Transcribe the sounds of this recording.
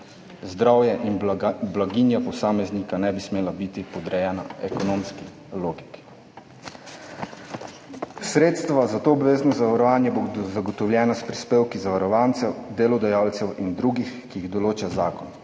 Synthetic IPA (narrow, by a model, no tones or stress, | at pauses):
zd̪ɾawjɛʔinblaɡiːnjapɔsaːmɛznikanɛbismeːlabit̪ipɔd̪ɾɛjɛːna̰ɛkɔnomski | loːɡiki̥ | sɾeːt̪st̪ʋazat̪oːbʋeːznɔzaʋaɾɔʋaːnjɛbozaɡɔt̪ɔwljɛːnaspɾispeːwkizaʋaɾɔʋaːnt̪sɛwd̪eːlɔd̪ajawlt̪sɛwind̪ɾuɡixkiːɣd̪ɔloːt͡ʃazaːkɔn